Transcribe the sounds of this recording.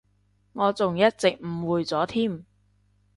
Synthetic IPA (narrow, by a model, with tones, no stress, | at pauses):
ŋɔː˨˧t͡sʊ˨ŋjɐ˥t̚t͡sɪ˨k̚m̩˨˩wuː˨jt͡sɔː˨˥t̪ʰiː˥˩m